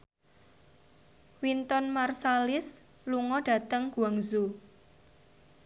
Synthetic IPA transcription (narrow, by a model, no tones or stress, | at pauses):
wint̪ɔnmarsalɪs | luŋɔɖ̥a̤t̪əŋɡ̥uaŋzu